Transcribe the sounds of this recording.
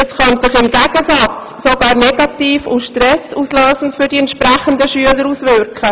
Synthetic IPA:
əsχɑnsɪχɪmɡæɡ̥əsɑt͡s | soɡɑːɾnɛɡ̥ɑt̪iːfʊ̰ʃtɾɛsuːsløːsn̩tfʏɾdiɛntʃpɾɛχənd̪əʃyələɾuːsvʏɾkə

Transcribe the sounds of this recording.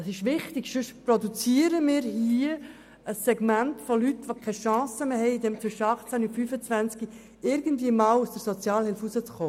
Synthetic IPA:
ɑsɪʃʋɪχtɪɡʃʏʃprodut͡siːəɾəmɪːɾhiə | əsːɛɡmæntfolyt̪ʋokʰɛʃɑ̃ːsəmeːɦɛɪidɛmt͡sʋʏʃəɑχt͡sæniufyːfət͡svænt͡ski | ɪɾɡən̩tviːəmɑːlusd̥əɾsot͡sjɑːlhɪlfusət͡sχoː

